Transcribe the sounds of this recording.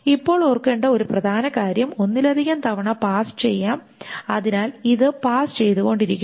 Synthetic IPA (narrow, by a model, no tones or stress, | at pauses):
ipːo̞ːɭorkeːɳɖɐo̞ɾuprɐd̪ʱaːnɐkaːɾjɐmo̞nːilɐd̪ʱiɣɐmt̪ɐʋɐɳɐpaːst͡ɕe̞jːaːm | ɐðinaːliðɨpaːst͡ɕe̞jt̪uɣo̞ɳɖiɾikʲːu